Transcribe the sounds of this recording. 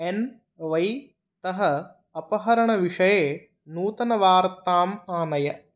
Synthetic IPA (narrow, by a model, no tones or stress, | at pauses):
en | ʋɐj | t̪ɐɦɐ | ɐpɐɦɐɾɐɳɐʋiʂɐjeː | nuːt̪ɐnɐʋaːɾt̪aːmaːnɐjɐ